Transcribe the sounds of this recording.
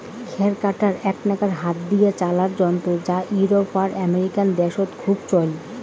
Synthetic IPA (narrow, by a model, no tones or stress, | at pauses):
kʰɛɾkaʈaɾɛknakaɾɦat̪̚d̪iet͡ɕalaɾd͡ʑɔnt̪od͡ʑaʔuɾopaɾɛmeɾikand̪ɛʃot̪kʰubt͡ɕɔl